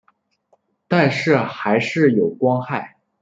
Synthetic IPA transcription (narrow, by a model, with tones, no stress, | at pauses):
t̪a˥˧nʂɻ̩˥˩xa˧˥ɪʂɻ̩˥˩jo˨˩ʊkwɑ˥ŋxa˥˩ɪ